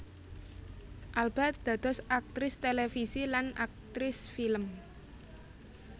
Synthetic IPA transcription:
ʔalb̥at̪̚d̪̥ä̤d̪̥ɔ̤sʔak̚t̪ɾɪst̪elefisilanak̚t̪ɾɪsfiləm

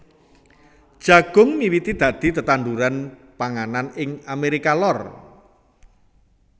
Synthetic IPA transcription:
d̥ʒ̥a̤ɡ̥ʊ̤ŋmiwit̪id̪̥ä̤d̪̥i̤t̪ət̪and̪uɾanpaŋananɪŋameɾikalɔr

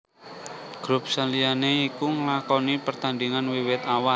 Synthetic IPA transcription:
ɡ̥ɾup̚salianeikuŋəlakɔnipərt̪andiŋanwiwɪt̪awal

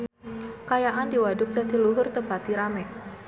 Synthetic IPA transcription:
kajaʔandiwadʊk̚t͡ʃat̪iluɦʊrt̪əpat̪iɾamɛ

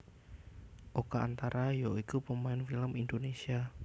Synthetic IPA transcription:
ʔokaʔant̪aɾajɔikupəmaɪnfiləmindonesia

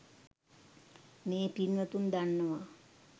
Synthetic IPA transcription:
meːpinʋət̪und̪anːəʋa

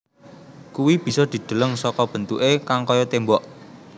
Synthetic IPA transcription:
kuwib̥i̤sɔd̪̥i̤d̪̥ə̤ləŋsɔkɔb̥ə̤nt̪uʔekaŋkɔjɔt̪embɔʔ

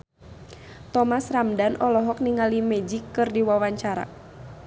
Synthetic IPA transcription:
t̪ɔmasramdanʔɔlɔɦɔk̚niŋalimɛd͡ʒikːɨrdiwawaɲt͡ʃaɾa̰

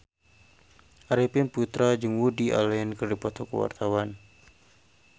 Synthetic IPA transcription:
ʔaɾipɪnput̪ɾad͡ʒɨŋwudiʔa̰lɛɛnkərdipɔt̪ɔkəwa̰rt̪awan

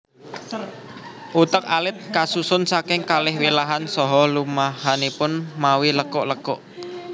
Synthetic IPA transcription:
ʔut̪ək̚alɪt̪̚kasusʊnsakɪŋkalɪhwilaɦansɔɦɔlumaɦanipʊnmawiləkɔʔləkɔ̰ʔ

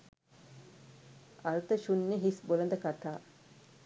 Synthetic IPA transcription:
ɐɾut̪əʃunːeɦisbolɐnd̪əkat̪aː

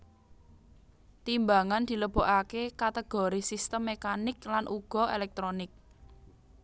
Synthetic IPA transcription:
t̪imbaŋand̪̥i̤ləb̥o̤ʔakekat̪eɡ̥ɔ̤ɾisist̪əmːekanɪklanʔuɡ̥ɔ̤elɛk̚t̪ɾonɪk̚

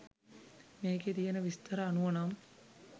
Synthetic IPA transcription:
meːɡet̪ijənəʋist̪ɐɾəːnuʋənam

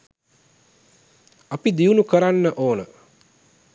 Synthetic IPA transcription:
apid̪iunukəɾanːəʔoːnə

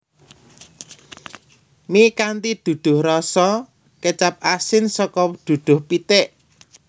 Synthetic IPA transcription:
mikant̪id̪̥ṳd̪̥ʊ̤hrɔsɔ | ket͡ʃap̚asɪnsɔkɔd̪̥ṳd̪̥ʊ̤hpit̪ɛʔ

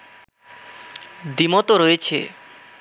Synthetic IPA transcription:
d̪imot̪oɾojet͡ɕʰḛ

